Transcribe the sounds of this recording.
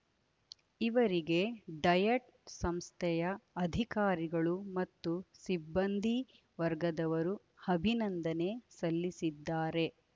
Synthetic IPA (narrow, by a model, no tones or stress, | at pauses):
iʋɐɾiɡe̞ɖɐjɐʈ | sɐmst̪ʰɛjɐɐd̪ʱikaːɾiɡɐɭumɐt̪ːusibːɐnd̪ʱi | ʋɐɾɡɐd̪ɐʋɐɾu | ɐbʱinɐnd̪ɐne̞sɐlːisid̪ːaːɾe̞